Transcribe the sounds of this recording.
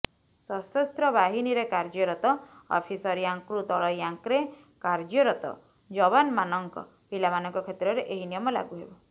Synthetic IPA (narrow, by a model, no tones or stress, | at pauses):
sɔsɔst̪ɾɔbaɦiniɾekaɾd͡ʒɔɾɔt̪ɔɔ̰pʰisɔɾijaŋkɾut̪ɔɭɔjaŋkɾe | kaɾd͡ʒɔɾɔt̪ɔ̰ | d͡ʒɔβanmanɔŋkɔ̰ | pilamanɔŋkɔkʰet̪ɾɔɾeʔeɦinijɔmɔla̰ɡuɦebɔ